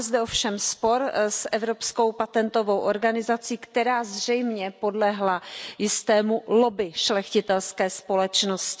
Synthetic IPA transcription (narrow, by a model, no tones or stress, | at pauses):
zd̪ɛofʃɛmspo̞ɾsʔɛvɾo̞psko̞wpat̪ɛnt̪o̞vo̞wʔoɾɡanɪzat͡siːkt̪ɛɾaːzr̝ɛjmɲɛpo̞dlɛɦlajɪst̪ɛːmulo̞bɪʃlɛxcɪt̪ɛlskɛːspo̞lɛt͡ʃnoscɪ